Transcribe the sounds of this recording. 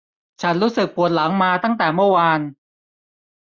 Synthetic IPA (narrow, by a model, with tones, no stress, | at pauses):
t͡ɕʰa˦˥nɾuː˦˥sɯ˨˩k̚pʰu˨˩ət̪̚la˩˦ŋmaː˧t̪a˥˩ŋt̪ɛː˨˩mɯ˥˩əwaː˧n